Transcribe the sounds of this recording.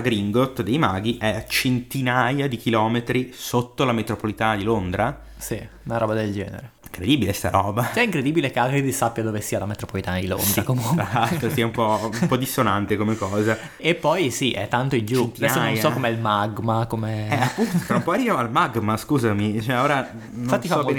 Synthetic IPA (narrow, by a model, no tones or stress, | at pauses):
aɡɾiŋɡot̪d̪ejmaɡiʔɛt͡ʃent̪inajad̪ik̟ilɔːmet̪ɾisot̪ːolamet̪ɾopolit̪aːnad̪ilond̪ɾa | si | unaɾɔːbad̪eld͡ʒɛ̰ːnḛɾeiŋkɾed̪ibilest̪a̰ɾɔːbasɛiŋkɾed̪ibilekeaɡɾid̪isapːjad̪ovesiːalamet̪ɾopolit̪anad̪ilo̰nd̪ɾakomuŋzaat̪ːosiːaumpɔumpɔd̪isonant̪ekomekːɔːza | epːɔjsiʔɛ̰t̪ːant̪oild͡ʒunaiɛnsaonjsɔkomeɛlmaɡmakomeɛapːunt̪ofaumpɔaɾiːvoalmaɡmaskuːzamit͡ʃoɛoːɾa | fatt̪ːifaɔk